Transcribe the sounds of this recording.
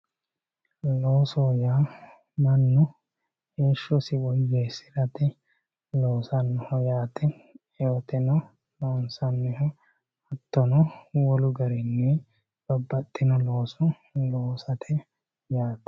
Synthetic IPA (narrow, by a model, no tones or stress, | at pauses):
lo̞ːsoːjaː | mɐnːʊ | heːʃːɔsɪwɔjːeːsɪɾɐt̪ɪ | loːsɐnːɔhɔjaːt̪ɛ | joːt̪ɛnɔ | loːnsɐnːɛhɔ | ɐt̪ːɔnɔwɔlʊɡɐɾɛnːɛ | b̥ɔbːɐt̪ʼːɪnɔloːsɔ | loːsɐt̪ʰɛ | jaːt̪ɛ̥